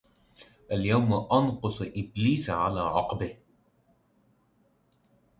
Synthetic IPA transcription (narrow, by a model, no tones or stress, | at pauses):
ʔaljawmaʔɑnqʊsˤʔɪbliːsaʕalaːʕɑqbɪh